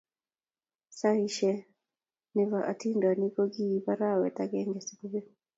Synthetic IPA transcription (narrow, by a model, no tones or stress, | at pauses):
saiʃɛ | nivaʔatindwanikɔɡiːpaɾawɛtaɡɛŋɡɛsi̥kuvɛ